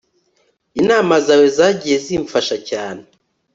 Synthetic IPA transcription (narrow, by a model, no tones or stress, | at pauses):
inaːmazawe̞zaːɟije̞ziːɱfaʃacaːne